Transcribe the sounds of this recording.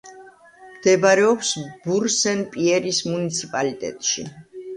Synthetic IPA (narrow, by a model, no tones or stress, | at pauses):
md̪̥ɛbaɾɛɔpsbuɾsɛnpʼiɛɾismunit̪sʰipʼalit̪ʼɛ̰t̪ʼʃi